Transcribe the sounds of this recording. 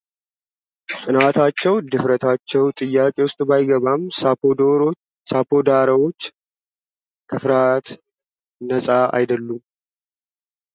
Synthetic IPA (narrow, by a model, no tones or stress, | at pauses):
sʼɨnat̪ʰat͡ʃːɛwd̪ɨfɾət̪ʰat͡ʃːɛwt̪ʼɨjːakʼe̞wʊst̪ʼbajɡəβamooɾ | sapʰo̞d̪aɾəwoː | kʰəfɾat̪ | nəsʼaʔa̰jd̪əlːum